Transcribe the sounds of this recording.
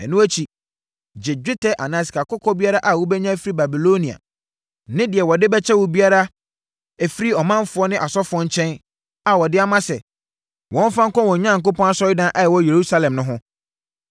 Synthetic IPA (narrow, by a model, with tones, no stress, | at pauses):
ɛ̰˨nũ˦æ˦t͡ɕʰi˨ | d͡ʑɪ˨d͡ʑᶣɪ˦tʰɛ˦ʔa˨nã˨s̬i̥˨ka˨kʊ˦kʰɔ˦bi˦a˦ɾa˦ʔa˨wɔ˦bɛ˦ɲã˦fi˦ɾi˦ba˨bi˨lo˦nĩ˨a̰˨ | nɪ̃˦dɪ˨ɛ˨wɔ˨dɪ˦bɛ˦t͡ɕʰɛ˦wɔ˨bi˦a˦ɾa˦ | æ˨fi˦ɾi˦ɔ˨mã˦m˦fʊ˨˦ɔ˦nɪ̃˦ʔa˨sɔ˦fʊ˨ɔ̃˦ɲ̩˦t͡ɕʰɛ̃˦n | a˨wɔ˨dɪ˦a˦mã˦sɛ˨ | wɔ̃˦m˦fã˦ŋ̩˦kɔ̃˦wɔ̃˨ɲã˦ŋ̩˨k̬ʊ̃˦pɔ̃˦na˦sɔ˦jɪ˦dã˦ʔa˦jɛ˨wɔ˦je˨ɾu˦sa˦lɛ̃˨mnʊ̃˦ɦʊ̃˦